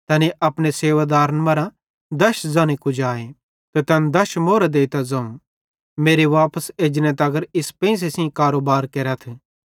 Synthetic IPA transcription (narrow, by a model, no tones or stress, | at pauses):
t̪ɐniʔɐpneseːʋaːd̪aːɾənmɐɾã | d̪ɐʃzãːñekʊd͡ʒaːe | t̪et̪ɐnd̪ɐʃmoːɾad̪eːit̪azɐ̃ũ | meːɾeʋaːpəseːd͡ʒnẽt̪ɐɡəɾɪspɛ̃ɪ̃s̬esĩkaːɾoːbaːɾkeːɾat̪ʰ